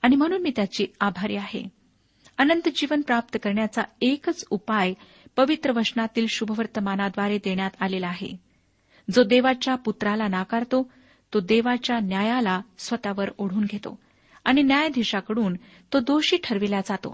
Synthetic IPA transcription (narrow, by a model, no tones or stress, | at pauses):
aɽ̃im̤əɽ̃uːnmiːt̪jat͡ɕiːabʱaɾḭːaɦḛ | ənənt̪d͡ʑiʋənpɾap̚t̪əkəɾɳjat͡saekət͡supaj | pəʋit̪ɾəʋəʂnat̪iːlɕubʱəʋəɾt̪əmanad̪ʋaɾed̪eɳjat̪alelaːɦḛ | d͡zod̪eʋat͡ɕjaput̪ɾalanakaɾt̪o | t̪od̪eʋat͡ɕjanjajalasʋət̪aʋəɾoɽ̤uːnɡʱet̪o̰ | aɽ̃injajd̪ʱiɕakəɽuːn | t̪od̪oɕiːʈʰəɾʋilad͡zat̪o̰